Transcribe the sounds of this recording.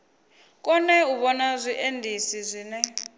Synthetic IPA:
k̬ʼɔnɛuɓɔnazʷiʔendʱisizʷiːnɛ

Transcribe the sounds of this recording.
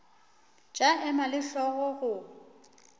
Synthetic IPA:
t͡ʃʼaʔɛmalɪɬɔɣɔɣʊ

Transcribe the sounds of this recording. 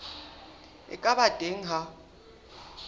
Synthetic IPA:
ɛ̰kʼaɓad̥ʱeŋ̩ɦa

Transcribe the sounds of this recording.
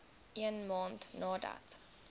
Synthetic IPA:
ʔiənmɑːntnɑːda̰t

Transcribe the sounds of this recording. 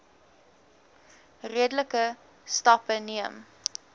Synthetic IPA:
riədələkə | stɐpəniəm

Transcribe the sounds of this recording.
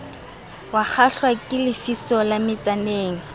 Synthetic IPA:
wak͡xʰaɬwakʼɪlɪfisɔlamɪt͡sʼaneːŋ̩

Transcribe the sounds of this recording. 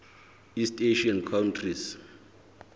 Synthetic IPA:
isteʃiɔnkʰawntʰris

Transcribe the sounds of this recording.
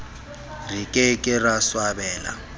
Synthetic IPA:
rikʼɛkʼɪraswabɛːla̰

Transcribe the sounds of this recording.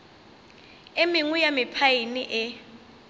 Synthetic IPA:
emiŋujamɪpʰajiniʔɛ

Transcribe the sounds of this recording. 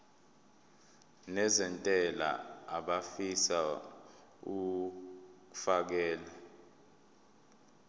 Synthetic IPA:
nɛzɛntʼɛla̰ːɓafisa | u | k̬u̥fak̬ɛːla

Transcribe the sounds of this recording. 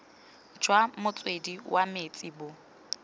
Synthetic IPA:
d͡ʒwamʊt͡sʼwediwʔamet͡sʼibʊ

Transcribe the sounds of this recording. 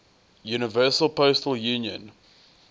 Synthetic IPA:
juːnɪvɜːˑsəlˠpʰostəlˠjuːnjə̰̃n

